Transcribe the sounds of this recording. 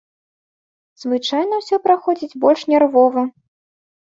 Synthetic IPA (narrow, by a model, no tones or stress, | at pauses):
z̥vɨt͡ʂajnɐwsʲɔpɾaxɔd͡zʲid͡zʲbɔlʲʂnʲɛrvɔvɐ